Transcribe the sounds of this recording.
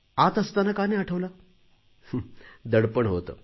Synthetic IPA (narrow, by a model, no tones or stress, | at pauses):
at̪əst̪anakaneəʈʰəʋla | d̪əɽpəɳɦot̪ə̰